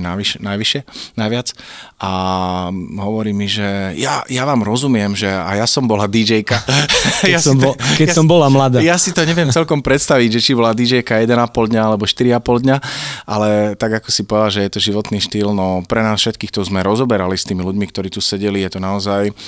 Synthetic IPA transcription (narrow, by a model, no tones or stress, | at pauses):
naʋiʃnajʋiʃɪɛnajʋɪat͡sʔa | ɦɔʋɔɾiːmiʒɛjajaʋaːmɾɔzumɪɛmʒɛa̰jasɔmbɔlad̪id͡ʒɛjkajasikɛsɔmbɔlamlad̪ajasit̪ɔɲɛʋɪɛmt͡sɛlkɔmpɾɛt̪st̪aʋiɟʒɛt͡ʃibɔlad̪id͡ʒɛjkajɛd̪ɛnapɔld̪ɲaalɛbɔʃt̪iɾiapɔld̪ɲaʔalɛt̪aɡakɔsipɔʋɛd̪alʒɛjɛt̪ɔʒiʋɔt̪niːʃt̪iːlnɔpɾɛnaːsfʃɛt̪kiːxt̪ɔzmɛɾɔzɔbɛɾalist̪iːmiluɟmikt̪ɔɾiːt̪usɛɟɛlijɛt̪ɔnaɔzaj